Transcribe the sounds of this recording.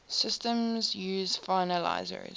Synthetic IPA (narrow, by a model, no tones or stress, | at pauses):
sɪstə̃mzjuːzfaɪnəla̰ɪzə̰ɹḭ